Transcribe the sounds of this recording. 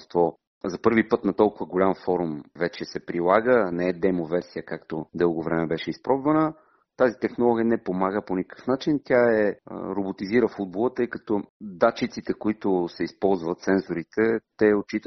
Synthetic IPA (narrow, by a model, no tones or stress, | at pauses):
st̪vɔ | zɐpɤɾvipɤt̪nɐt̪ɔlˠkʊvəɡolʲamfɔɾumvɛt͡ʃɛsɛpɾilˠaɡənɛɛd̪ɛmovɛɾsijəkakt̪od̪ɤlˠɡovɾɛmɛbɛʃɛispɾɔbvɐnə | t̪azit̪ɛxnolˠɔɡʲijənɛpomaɡəponikə̥fnat͡ʃint̪ʲjaɛ̰ɾobot̪iziɾəfud̪̚bolˠət̪ɤjkɐt̪ɔd̪at͡ʃit̪sit̪ɛkoit̪ʊsɛispɔlˠzvət̪sɛnzoɾit̪ʰɛt̪ɛot͡ʃit̪ə